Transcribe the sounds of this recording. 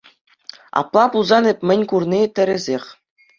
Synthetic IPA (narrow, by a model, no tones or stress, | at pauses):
ɑ̰plˠɑpulˠzɑnɘpʲmʲɘ̆nʲkurnʲit̪ʲɘ̆ɾʲɘ̆zʲexʲ